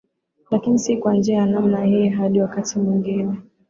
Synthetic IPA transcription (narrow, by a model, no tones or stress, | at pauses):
lakinisikuwand͡ʒɛanamnajɛɦaɗiwakatimwiŋɡinɛ